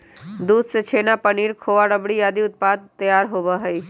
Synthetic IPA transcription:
d̪uːd̪set͡ʃʰeːnapɐniːɾkʰoːʋaɽəbɽijaːd̪iʊt̪̚paːd̪̚t̪ːɐjaːɾɦoːbaɦɛi

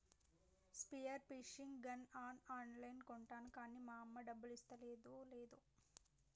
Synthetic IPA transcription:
spijɐɾpiʂiŋɡɡɐnaːnaːnlɐjnkoɳʈaːnukaːniːmaːɐmːɐɖɐbːɐlist̪ɐleːd̪oleːd̪u

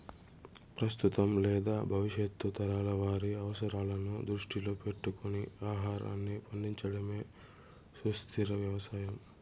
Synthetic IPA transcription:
pɾɐst̪ut̪ɐmlɛːd̪aːbʱɐʋiʃjet̪ːut̪ɐɾaːlɐʋaːɾiɐʋɐsɐɾaːlɐnud̪ɾuʂʈiloːpe̞ʈːukoniaːɦaːɾɐ̰nːipɐɳd̪iɲt͡ʃɐɽɐme̞ː | sust̪ʰiɾɐʋjɐʋɐsaːjɐm

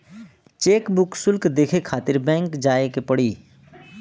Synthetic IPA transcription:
t͡ʃeːkbʊksʊlkd̪eːkʰekʰaːt̪ɪɾbɛ̃ːŋkd͡ʒaːekepəɽiː

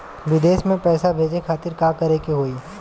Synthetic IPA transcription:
ʋɪd̪eːʃmẽpɛːsabʱeːd͡ʒekʰaːt̪ɪɾkaːkɐɾekeɦoːiː

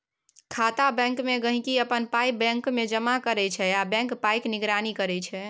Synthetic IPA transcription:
kʰat̪abɛ̃ŋkmeɡəɦĩkiəpənpajbɛ̃ŋkmed͡ʒəmakəɾɛt͡ʃʰɛabɛ̃ŋkpajkniɡɾanikəɾɛt͡ʃʰɛ

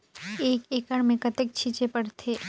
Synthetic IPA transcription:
eːkeːkəɽmẽkɐt̪ek̚t͡ʃʰit͡ʃepɐɽt̪ʰeː

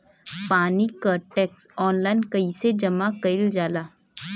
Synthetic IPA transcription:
paːnikəɾʈɛːksɔːnlaːɪnkɐiːsed͡ʒɐmakɐɪld͡ʒaːlaː

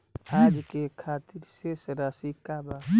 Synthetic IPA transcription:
aːd͡ʒkekʰaːt̪iɾsesɾaːsikaba

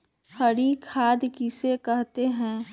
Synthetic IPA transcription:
hɐɽikʰaːd̪kisekɐɦt̪eɦɛ̃ː

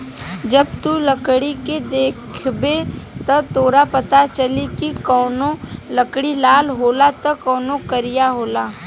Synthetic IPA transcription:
d͡ʒɐb̚t̪uləkɽiked̪eːkʰbet̪ɐt̪oːɾapɐt̪at͡ʃɐlikikɔːnoləkɽilaːlɦoːlat̪okɔːnokəɾijaɦoːlaː

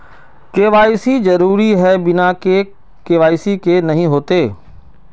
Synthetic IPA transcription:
keːʋaːɪsizɐɾuːɾiɦɛːbɪnake | keːʋaːisikeːnɐɦĩɦoːt̪eː

